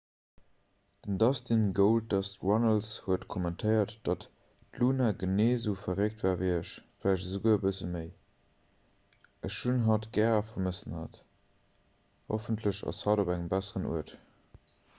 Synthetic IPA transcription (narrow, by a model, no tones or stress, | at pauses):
d̥əndɑstinɡoʊlt̚dɑstʁɑnəlshuətkʰomɛntʰəɪɐtd̥ɑt | tluːnaɡəneːzufɐʁek̚tvaːviɪəʃflæɪʃtəzəɡuːəəbəsəməɪ | əʃʃunɦɑtɡɛːʁɑfɐməsənhɑt | ho̰fəntʰləʃɑ̰shɑdobæŋəmbæsəʁənṵət